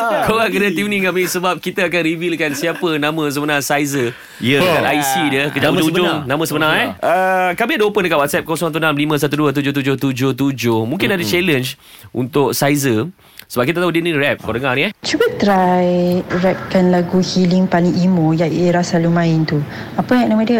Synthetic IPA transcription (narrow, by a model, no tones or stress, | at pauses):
kʰolaʔkənat̪ivniŋaʔmisəbap̚kit̪aakanɾivilkansiapənãmə̃s̬əbənãsajzə | iəkanajsidiəkəd͡ʒaud͡ʒd͡ʒʊnãmə̃səbənãŋɛʔəkamiadopəndəkaʔwat̪sɛp̚kosɔŋt̪unamlimə̃sat̪̬uduət̪̬ud͡ʒʊht̪ud͡ʒʊht̪ud͡ʒʊht̪ud͡ʒʊhmũŋkɪnadət͡ʃɛlənt͡ʃ | ʔunt̪ʊk̚sajzə | səbap̚kit̪at̪aɦudiəninrɛp̚kodəŋaniɛt͡ʃubət̪ɾajɾɛp̚kanlaɡuhiliŋpalɪŋimojaeɾasalumãɪnt̪u | apənãmə̃diə